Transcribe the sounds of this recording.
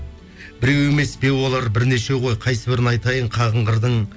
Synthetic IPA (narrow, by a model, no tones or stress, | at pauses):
bɪɾe̞we̞me̞sbe̞wwo̞lˠɑɾbɪɾne̞ʃe̞ʁo̞jqʰɑjsəbɪɾɪnɑjt̪ɑjəɴqʰɑʁəɴʁəɾd̪əɴ